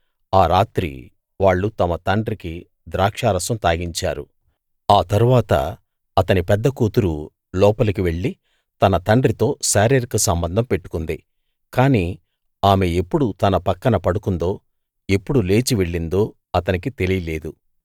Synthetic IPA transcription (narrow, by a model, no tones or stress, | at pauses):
aːɾaːt̪ɾḭ | ʋaːɭːut̪ɐmɐt̪ɐɳɖɾiki | d̪ɾaːkʂaːɾɐsɐmt̪aːɡiɲt͡ʃa̰ːɾṵ | aːt̪ɐɾuʋaːt̪ɐ̰ | ɐt̪ɐnipɛd̪ːɐkuːt̪uɾu | lɔːpɐlɐkiʋe̞ɭːi | t̪ɐnɐt̪ɐɳɖɾit̪o̞ːʃaːɾeːɾikɐsɐmbɐnd̪ʱɐmpe̞ʈːu̥kund̪i | kaːniː | aːmeepːuɽut̪ɐnɐpɐkːɐnɐpɐɽukund̪o̞ː | e̞pːuɽule̞ːt͡ʃiʋe̞ɭːind̪o̞ː | ɐt̪ɐnikit̪e̞lijile̞ːd̪u